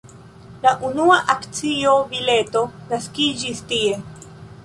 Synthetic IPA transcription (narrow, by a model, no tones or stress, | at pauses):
laʔunuaʔakt͡sio̞bile̞to̞naskid͡ʒistie̞